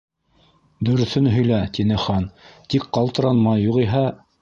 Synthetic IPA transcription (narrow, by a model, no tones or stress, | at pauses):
d̪ɵ̆ɾɵ̆θɵnɦɵ̆jlæt̪inɘχɑnt̪ik̚qɑlˠt̪ɤ̆ɾɑnmɑjːuʁiɦæ